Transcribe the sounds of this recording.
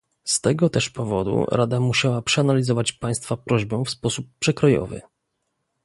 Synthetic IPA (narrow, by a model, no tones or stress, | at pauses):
st̪ɛɡɔt̪ɛʂpɔvɔd̪ṵɾad̪amuɕawapʂɛanalʲizɔvat͡ɕpaj̃st̪fapɾɔʑbɛ̃fspɔsupːʂɛkɾɔjɔ̰vɘ̰